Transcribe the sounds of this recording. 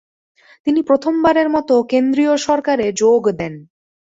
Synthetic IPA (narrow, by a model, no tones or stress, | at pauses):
t̪inipɾot̪ʰombaɾeɾmɔt̪okend̪ɾijoʃɔɾkaɾed͡ʑoɡd̪ɛn